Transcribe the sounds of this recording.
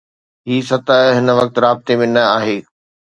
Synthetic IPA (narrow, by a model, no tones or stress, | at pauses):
ɦiːsɐt̪əɦɦɪnə̆ʋɐk̚t̪ɾaːbɪt̪emẽnɐaːɦeː